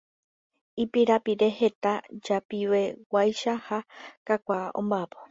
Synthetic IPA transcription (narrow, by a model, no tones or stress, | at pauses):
ipiɾapiɾe̞he̞t̪ad͡ʒapiwe̞wajʃahakakʷaʔõ̰mbapo